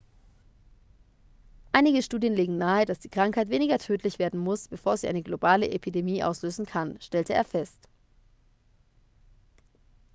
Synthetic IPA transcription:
ʔaɪnɪɡəʃtuːdjənleːɡŋ̩naːəd̥asd̥iːkʁ̥aŋkhaɪtv̥eːnɪɡɐtʰøːtʰlɪçv̥eːɐdn̩mʊsb̥əfoːɐziʔaɪnəɡlobaːləʔepʰidemiːʔa̰ʊsløːzn̩kʰanʃtɛltʰəḛːɐfɛst

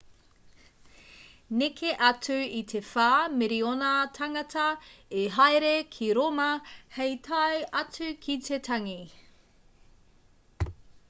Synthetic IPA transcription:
nekʰeʔɐt͡sʉit̪ʰe̞faːmeɾionɐtʰɐŋɐtʰɐeɦajɾekʰiɾomɐhejtʰɐjɐt͡sʉkʰit̪ʰe̞tʰɐŋi

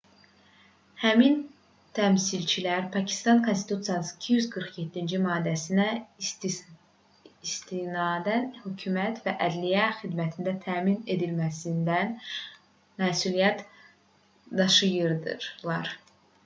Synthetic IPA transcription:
hæmin | t̪ʰæmsilt͡ʃʰilæɾpʰɑcʰi̥st̪ɑnkʰo̞nst̪it̪ut̪sijɑsɯicʰijyzɡɯɾχjet̪ʰːind͡ʒimɑːd̪ːæsinæ | ist̪inɑːd̪ænhycʰymæt̪ʰvæʔæd̪lijæxid̪mæt̪ʰind̪æt̪ʰæːmine̞d̪ilmæsind̪æn | mæːsulijæt̪ | d̪ɑʃɯjɯɾd̪ɯ̰ɾlˠɑɾ

